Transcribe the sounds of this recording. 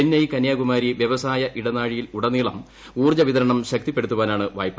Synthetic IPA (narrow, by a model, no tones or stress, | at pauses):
enːɐjkɐnjaːɡumaːɾiʋjɐʋɐsaːjɐʔiɽɐnaːɻijiluɽɐniːɭɐm | uːrd͡ʑɐʋit̪ɐɾɐɳɐmɕɐk̚t̪ipːe̞ɽut̪ːuʋaːnaːɳɨʋa̰ːjpːɐ